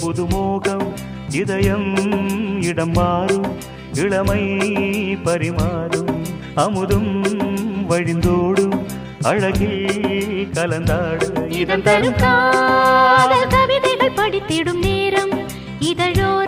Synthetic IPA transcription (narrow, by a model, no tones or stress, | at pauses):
pʊðɯmoːɣɐm | ɪðɐjɐm | ɪɽɐmːaːɾɯm | ɪɭɐmɐɪ | pɐɾɪmaːðɯm | ɐmɯðɯm | ʋɐɻɪnd̪oːɽɯm | ɐɻɐɣi | kɐlɐnd̪aːɽɯɪðɐnɐɾɯkaː | ðɐlt̪ɐʋɪðɐðɐpɐɽɪt̪ːɪɽɯmneːɾɐm | ɪðɐɻoː